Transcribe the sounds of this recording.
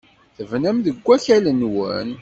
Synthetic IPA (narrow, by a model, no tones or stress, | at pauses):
θəvnæmðəɡʷːæçælənwən